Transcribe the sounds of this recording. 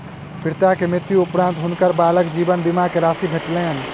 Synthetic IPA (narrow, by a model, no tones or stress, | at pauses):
pʰiɾt̪akemɪt̪ːjuupɾãnt̪ɦunkəɾbaləkd͡ʒibənbimakeɾasibʱeʈlen